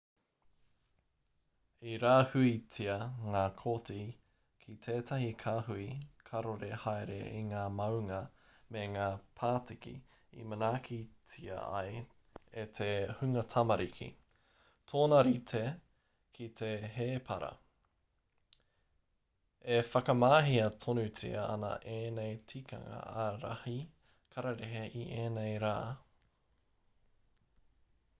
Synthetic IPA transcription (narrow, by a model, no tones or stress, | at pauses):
iɾaːhʉit͡siɐŋaːkʰoti | kʰit̪ʰeːt̪ʰɐhikʰaːɦuikʰɐɾoɾehajɾḛʔiŋaːmɐwŋɐmeŋaːpʰaːtikḭ | ḭmɐnaːkʰit͡siɐ̰ɐ̰j | et̪ʰehʉŋɐtʰɐmɐɾikʰḭ | t̪ʰoːnɐɾit̪ʰe | kʰit̪ʰeɦeːpʰɐ̰ɾɐ̰ | efɐkɐmaːɦiɐtʰonʉt͡sḭɐɐnɐ̰ʔeːnejtʰikɐ̰ŋɐ̰ːɾa̰hi | kʰɐɾɐɾeɦeʔiʔeːnejɾaː